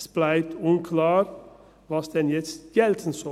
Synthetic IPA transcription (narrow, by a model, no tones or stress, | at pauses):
sb̥læɪt̪ʰʊŋkʰlɑːɾ | ʋɑsd̪ɛnjɛsjɛlt̪ʰən̩sɔ